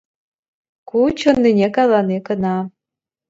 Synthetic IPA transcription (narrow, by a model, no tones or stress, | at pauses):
kut͡ɕŏnːinʲekɑjlɑnekənɑ